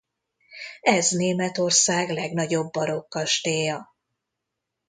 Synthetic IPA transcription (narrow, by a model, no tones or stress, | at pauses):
ɛzneːmɛt̪o̞rsaːɡlɛɡn̪ɒɟo̞bːɒɾo̞kːɒʃt̪eːjɒ